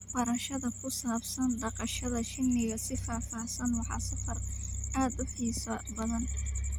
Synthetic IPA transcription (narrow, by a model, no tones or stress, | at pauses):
bɐɾɐʃɐðɐkʰʊsaːbsɐnɖɑqɑʃɐðɐʃɪnːɪɣɐsɪfaːfɑːsɐnwɑħɑ̰ːsɐfɐrʔaːd̪ʊħiːsɐbɐðɐn